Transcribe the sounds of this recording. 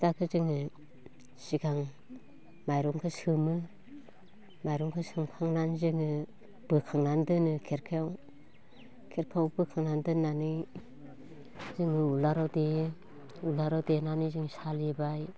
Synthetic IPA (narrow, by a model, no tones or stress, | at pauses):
dakʰɯzɯŋɯ | sikʰaŋ | majɾɔŋkʰɯsɯmɯ | majɾɔŋkʰɯsɯŋkʰaŋnanzɯŋɯ | b̥ɯkʰaŋnandɯnɯkʰeɾkʰajɔw | kʰeɾkʰawbɯkʰaŋnandɯnːanɯj | zɯŋɯulaɾawde | ulaɾawdenanɯjzɯŋsalibaj